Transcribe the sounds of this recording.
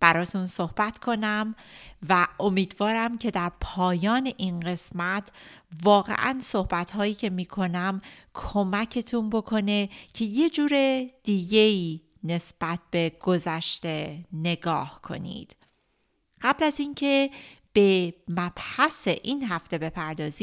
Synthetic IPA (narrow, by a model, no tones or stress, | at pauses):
b̥æɾɒːt̪ʰunso̞hb̥æt̪ʰkʰo̞næmvæʔo̞miːd̪vɒːɾæmcʰe̞d̪æɾpʰɒːjɒːne̞ʔinɢe̞smæt̪ʰvɒːɣe̞̰ʔæ̰nso̞hbæt̪ʰhɒːjiːcʰe̞miːkʰo̞næmkʰo̞mæcʰe̞t̪ʰunbo̞kʰo̞ne̞cʰe̞je̞d͡ʒuːɾed̪̥iːɟe̞iː | ne̞sb̥æt̪̚ʰb̥e̞ɡ̥o̞zæʃt̪e̞ne̞ɡɒːhkʰo̞̰nḭd̪̥ | ɢ̥æblæziːncʰe̞b̥e̞mæb̥hæse̞ʔiːnɦæft̪e̞be̞pʰæɾd̪ɒːzi